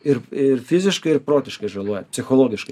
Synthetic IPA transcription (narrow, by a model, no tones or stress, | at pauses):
ɪɾɪɾfizʲɪʃkɪɪɾpɾoːt̪ʲɪʃkɪʒɐlˠujɛpʲsʲɪxɔlˠoːɡɪʃkɪ